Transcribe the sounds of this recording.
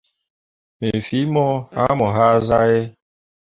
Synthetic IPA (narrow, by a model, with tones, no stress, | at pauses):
me˨fi˦mɔ˦a̰˦mɔ˨ɦa˦za˦je˦